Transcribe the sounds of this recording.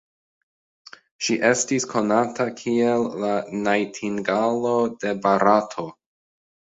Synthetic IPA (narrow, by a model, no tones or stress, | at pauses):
ʃiʔe̞stiskʰo̞natakʰielːanajtʰiŋɡalo̞de̞baɾatʰo̞